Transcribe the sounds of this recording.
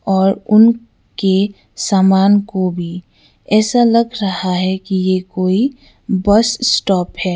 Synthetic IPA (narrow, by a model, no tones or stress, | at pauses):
ɔːɾʊn | ke | saːmaːnkobʱi | ɛːsalɐɡɾɐɦaɦɛkijekoːi | bɐssʈɔːphɛː